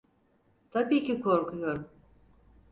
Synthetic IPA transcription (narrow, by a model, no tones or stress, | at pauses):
t̪ʰabiːcikʰo̞ɾkʰujo̞ɾm